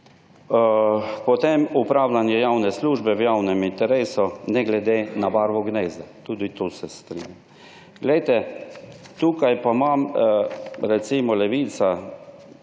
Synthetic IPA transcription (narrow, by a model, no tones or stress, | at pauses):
pɔt̪emupɾaːwlanjɛjawnɛsluːʒbɛwjawnɛmint̪ɛɾeːsunɛɡlɛd̪enabaɾʋɔɡneːzat̪uːd̪it̪osɛst̪ɾḭnjam | ɡ̥lɛjt̪ɛ | t̪uːkajpamam | ɾɛt̪simɔlɛʋiːt̪sa